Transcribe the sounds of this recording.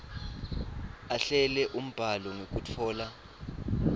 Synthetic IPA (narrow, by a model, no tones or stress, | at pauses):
aɬɛlɛʔum̩b̥ʱalɔŋok̬ʼutʰɔːla